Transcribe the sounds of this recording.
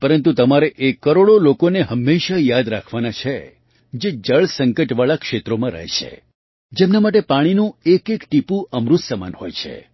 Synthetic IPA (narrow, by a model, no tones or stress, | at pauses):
pəɾənt̪ut̪əmaɾeʔekːəɾoɽolokoneɦəmːeʃajad̪ɾakʰʋanat͡ʃʰe | d͡ʒed͡ʒəɭsəŋkəʈʋaɭakʃet̪ɾomãɾə̰ɦḛt͡ʃʰḛ | d͡ʒemnamaʈ̬epaɽ̃inũekekʈipũʔəmɾut̪səma̰nɦo̰jt͡ʃʰḛ